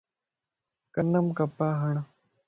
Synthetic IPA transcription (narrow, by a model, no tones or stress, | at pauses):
kɐnːɐmkɐpaːɦɐɳ̃